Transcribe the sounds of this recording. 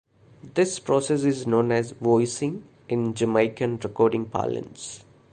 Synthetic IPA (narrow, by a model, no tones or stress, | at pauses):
d̪ɪspɾɔːses̬ɪznõːnɛzʋɔɪsɪ̃ŋ | ɪ̃nd͡ʒəmaɪkə̃nɾɛkɔːɾɖɪ̃ŋpʰa̰ːlə̰̃ns